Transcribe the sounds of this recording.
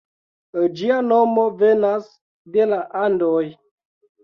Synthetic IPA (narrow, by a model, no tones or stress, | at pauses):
d͡ʒianomovenas | delaʔandoj